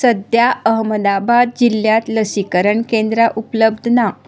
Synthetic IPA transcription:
səd̪jaəɦməd̪abad̪̚d͡ʑiljat̪ləsikəɾəɳkẽnd̪ɾaʔupləbd̪ʱna

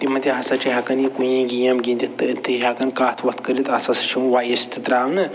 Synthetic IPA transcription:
t̪imɐt̪ʲiɦɐsɐt͡ʃiɦɐkɐnikujĩɡʲijɐmɡʲĩnd̪it̪ɨt̪ʰːɨɦɐkɐnkaːt̪ʰʋɐt̪̚ʰkɐɾit̪ɐsɐsɨ̥t͡ʃʰimuʋaːjɐst̪ʰɨt̪ɾaːwnɨ

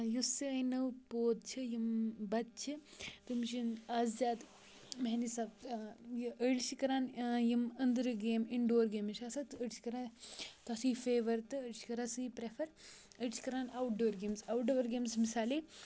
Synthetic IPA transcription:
jusɨɐjnɐwpoːd̪̚t͡ʃʰɨjimbɐt̪̚t͡ʃʰɨt̪umʃinaːzzaːd̪ | mɐɦnisɐbjʔəɽʃikɐɾaːnjimɐnd̪ɾɨɡeːmiɳɖoːɾɡeːmiʃaːsɐt̪əɽʃi̥kɐɾaːnt̪ɐsiːfeːʋɐɾt̪ɨəɽʃi̥kɐɾasɨipɾefʰɐɾ | əɽt͡ʃi̥kɐɾaːnawʈ̚ɖoːɾɡeːmsawʈɖoːɾɡeːmsmisaːli

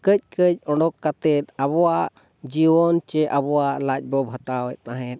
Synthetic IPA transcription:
kəc̚kəc̚ˀɔɳɖɔkːat̪ɛt̪̚abɔwaʔ | d͡ʒiwɔnt͡ʃɛʔabɔwaʔlac̚ˀbɔbʱat̪awɛt̪̚naɦɛt̪̚

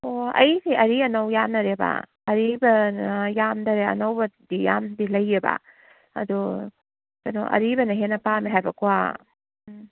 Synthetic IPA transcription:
oɐ̰jseʔɐɾiɐnɐwjamnɐɾeba̰ | ɐɾibɐjamdɐɾeɐ̰nɐwbɐdijambilɐjeba̰ | ɐ̰du | sɐnoʔɐ̰ɾibɐnɐɦenɐpamiɦajbɐkwa

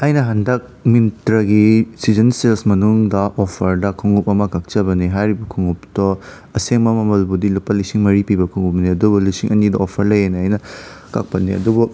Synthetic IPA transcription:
ɐjnɐɦɐndɐk̚mintɾɐɡisizɐnselsmɐnuŋdɐʔopʰɐɾdɐkʰuŋup̚ɐmɐkak̚t͡ʃɐbɐniɦajɾibɐkʰuŋup̚tɔ | ɐseŋmɐmɐmɐlbudilupːɐlisiŋmɐɾipibɐkʰuŋɡup̚niɐdubulisiŋʔɐnidɐopʰɐɾlɐjenɐjnɐ | ka̰k̚pɐtnːiɐ̰dubu

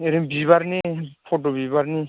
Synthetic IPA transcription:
eɾimbibaɾnipʰotobibaɾni

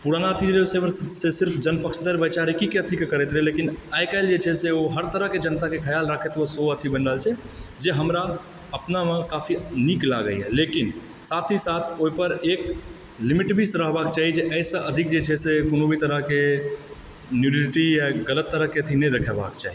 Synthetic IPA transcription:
puɾanaət̪ʰid͡ʒesebəɾsesɪɾpʰd͡ʒənpəkʃʰd̪əɾbəjt͡ʃaɾikikeət̪ʰikekəɾɛt̪ɾɛlekinajkaɪld͡ʒet͡ʃʰɛseoɦəɾt̪əɾəɦked͡ʒənt̪akekʰəjalɾakʰet̪osoət̪ʰibənɾəɦlt͡ʃʰɛ | d͡ʒeɦəmɾa | əpnamekafʰinikla̰ɡə̰jɦɛ̰lekin | sat̪ʰisat̪ʰoipəɾek | limiʈbʱisɾəɦbakt͡ʃaɦid͡ʒeʔəɪsə̃ʔəd̪ʱik̚d͡ʒet͡ʃʰɛsekonobʱit̪əɾəɦke | njuɖiliʈijaɡələt̪ːəɾəɦkeət̪ʰinəjd̪ekʰɛba̰kt͡ʃa̰ɦi

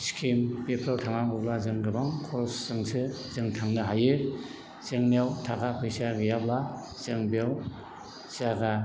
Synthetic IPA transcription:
skʰimbepʰɾawtʰaŋaŋɯblazɯŋɡɯbaŋkʰɔsːɯŋsɯzɯŋtʰaŋnɯɦajɯ | zɯŋniawtʰaɡapʰɯjsaɡɯjabla | zɯŋbiaw | saɡa

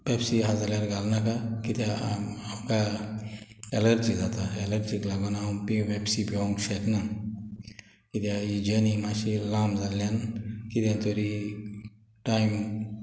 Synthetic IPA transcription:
pepsiɦazəljaɾɡalnakakit̪aaka | eləɾt͡ʃizat̪aeləɾt͡ʃiklaɡonampiʋebsibʱoŋʃekna | kit̪jaid͡ʒənimaʃilãːmzaljankit̪ant̪oɾi | ʈaːjm

